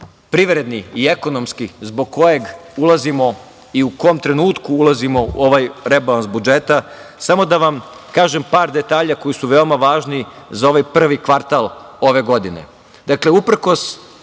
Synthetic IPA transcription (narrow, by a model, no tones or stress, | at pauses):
pɾiʋɾe̞d̪niie̞ko̞no̞mskizbo̞ɡ̚ko̞je̞ɡulˠazimo̞ | iuko̞mt̪ɾe̞nuːt̪kuulazimo̞ṵo̞ʋajɾebalˠansbud͡ʒe̞t̪asamo̞d̪aʋam | kaːʒempaːɾd̪e̞t̪aːʎako̞jisuʋe̞omaʋaːʒni | zao̞ʋajpr̩ʋikʋaɾt̪alˠo̞ʋe̞ɡo̞d̪ine̞̰ | d̪̥akle̞upɾ̩ko̞s